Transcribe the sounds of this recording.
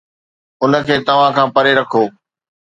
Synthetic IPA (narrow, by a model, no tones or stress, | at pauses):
ʊnə̆kʰeːt̪ɐʋ̤ãkʰãːpɐɾeɾɐkʰoː